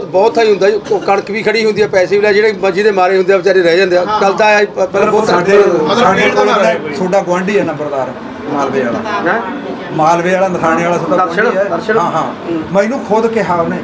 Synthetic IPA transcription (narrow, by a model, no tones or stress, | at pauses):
bɔːt̪ʰaːiɦʊ̃nd̪aːikəɽəkbiːkʰəɽiːɦʊ̃nd̪iːɛːpɛːseːʋlaːd͡ʒeːɽeːiməd͡ʒiːd̪eːmaːɾeːɦʊ̃nd̪eːʋt͡ʃaːɾiːɾɛɛːd͡ʒãːnd̪eɛːkəld̪aːipɛːlːaaeat̪ʰoːɖaːɡʊwãːɳɖiːɛːnə̃mbəɾd̪aːɾ | maːlʋeːaːla̰ːɛ | maːlʋeːaːlaːnəkʰaːneːaːlaːsəəəʃəɾʃəãːɦãː | mə̃ĩːnũːkʰoːd̪keɦaːoneː